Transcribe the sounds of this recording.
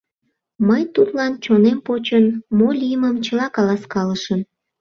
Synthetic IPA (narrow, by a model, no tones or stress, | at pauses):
məjt̪ut̪lɑnt͡ɕonempot͡ɕənmolʲijəməmt͡ɕəlɑkɑlɑskɑləʃən